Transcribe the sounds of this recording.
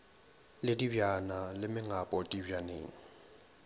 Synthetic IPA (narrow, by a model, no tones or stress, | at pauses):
lediwjanalɛmɛŋapɔtiwjane